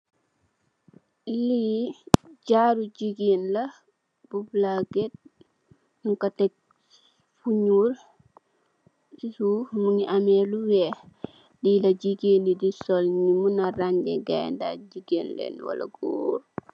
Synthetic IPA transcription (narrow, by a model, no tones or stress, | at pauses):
li | ɟaɾuɟiɡenla | b̥ublaɡet̚ | ŋkatɛk̚ | fuɲuɾ | sisumuŋiʔamɛluwɛ | dilaɟiɡenidisɔlɲimunaɾaɲɡɛɡa̰jnda̰ɟiɡeːnlɛ̰nwa̰lʔa̰ɡoːɾ